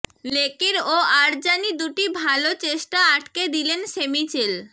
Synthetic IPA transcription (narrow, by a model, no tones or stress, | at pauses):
lekiɾoaɾd͡ʑanid̪uʈibʱalot͡ɕeʃʈaaʈked̪ilensemit͡ɕel